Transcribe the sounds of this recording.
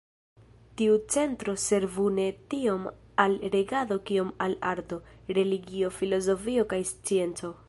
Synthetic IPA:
tiut͡se̞ntɾo̞se̞ɾvune̞tiomalɾe̞ɡado̞kio̞malaɾto̞ɾe̞liɡio̞filo̞zo̞fio̞kajst͡sie̞nt͡so̞

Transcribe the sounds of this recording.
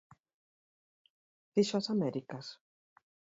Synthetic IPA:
ð̥iʃoasamɛɾikas

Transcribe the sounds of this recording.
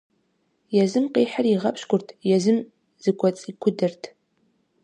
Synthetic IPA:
jɛzɨmqeːħariʁɐpʰɕkʷʊrtʰjɛzɨm | z̥ɨɡʷʰʼɔt͡sʼikʷʰʊdɨrtʰ

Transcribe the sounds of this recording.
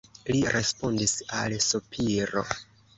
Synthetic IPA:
liɾʔe̞spo̞ndisa̰lsopʰiɾo̞̰

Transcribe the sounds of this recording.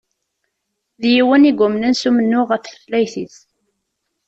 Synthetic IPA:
ðjiwəniɡʷʊmnənsumənːʊʁəθəθlæjθiθ

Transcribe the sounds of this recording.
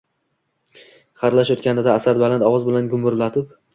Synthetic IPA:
χɑɾlaʃot̪kʲanɪd̪aːsad̪balant̪ɒwɒzbɪlanɡʲʊmʊɾlat̪ʰɪp̚

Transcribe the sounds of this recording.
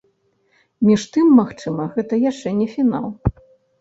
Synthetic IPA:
mʲiʂt̪ɨmːaxt͡ʂɨmɐɣɛt̪ɐjaʂt͡ʂɛnʲɛfʲina̰lˠ

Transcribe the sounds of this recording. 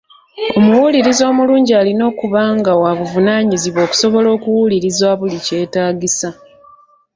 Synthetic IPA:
o̞muwuliɾizo̞ːmuluːɲɟialino̞ːkuβaːŋɡawaβuvunaːɲiziβo̞ːku̥so̞βo̞lo̞ːkuwuliɾizwaβulice̞ːtaːɡisa

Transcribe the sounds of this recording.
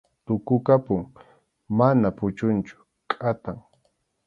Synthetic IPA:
t̪ʊkʊkapʊŋ | manapʊt͡ʃʊnt͡ʃʊ̥ | kʼat̪aŋ

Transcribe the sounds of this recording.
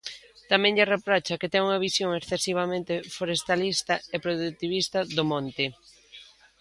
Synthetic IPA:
t̪amɛ̃ŋʎɪrepɾɔt͡ʃɐkɪt̪ɛŋuŋɐβisjoŋeksθesiβ̞amẽnt̪ɪfoɾest̪alist̪ɐepɾoðut̪iβ̞ist̪ɐðʊmõnt̪ɪ

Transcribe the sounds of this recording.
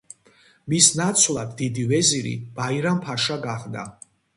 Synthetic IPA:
misnat̪sʰlˠad̪ːid̪ivɛziɾḭb̥aiɾampʰaʃaɡaʁd̪a̰

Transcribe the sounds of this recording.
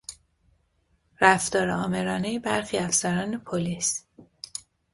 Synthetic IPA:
ɾæft̪ɒːɾeɒːme̞ɾɒːnejebæɾxiːæfsæɾɒːnepʰolis

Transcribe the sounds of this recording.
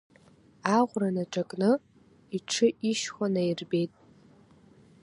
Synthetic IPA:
aʁʷranaʈ͡ʂʼakʼnɨ | iʈ͡ʂʰɨʔiʃχʷanajrbe̞jtʼ

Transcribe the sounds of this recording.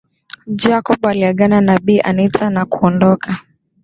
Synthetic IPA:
d͡ʒakɔɓaliaɡananaɓiːʔanitʰanakuɔndɔka

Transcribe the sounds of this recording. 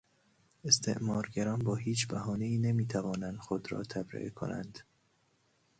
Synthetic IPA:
e̞st̪ʰe̞̰ʔmɒːɾɟæɾɒːnbɒːhiːt͡ʃʰbæhɒːneiːne̞miːt̪ʰævɒːnænd̪̥xod̪ɾɒ̰ːt̪ʰæbɾḛʔkʰo̞̰næ̰nd̪̥

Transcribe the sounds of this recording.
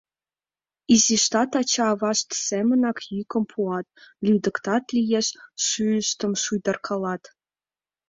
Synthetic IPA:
iziʃt̪ɑt̪ɑt͡ɕɑːβɑʃt̪semə̆nɑkjykə̆mpʰuɑt̪̚lyd̪ə̆kt̪ɑt̪lʲijeʃʃyəʃt̪ə̆mʃujd̪ə̆rkʰɑlɑt̪

